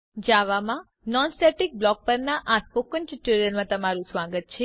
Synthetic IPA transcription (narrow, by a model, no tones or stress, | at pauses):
d͡ʒaʋamã | nɔnsʈeʈik̚blɔk̚pəɾnaʔaspokənt͡ʃiʈːuɾijənmãt̪əmaɾũsʋaɡət̪̚t͡ʃʰe